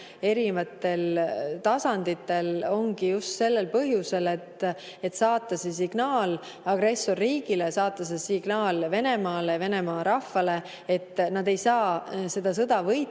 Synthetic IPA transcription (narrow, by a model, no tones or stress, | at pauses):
e̞ɾivɑt̪ːˑe̞lt̪ɑsɑnd̪̥it̪ːˑe̞lo̞ŋɡ̥ijust̪se̞lːe̞lpɤɦjuse̞le̞t̪ː | e̞t̪ːsɑːt̪ːˑɑses̬iɡ̥nɑːl | ɑɡ̥ɾe̞sːo̞rːiːɡ̥ilesɑːt̪ːˑɑs̬esiɡ̥nɑːlve̞ne̞mɑːleve̞ne̞mɑːɾɑfːɑle̞ | et̪ːˑnɑd̪e̞jsɑːse̞d̪̥ɑs̬ɤd̪̥ɑvɤj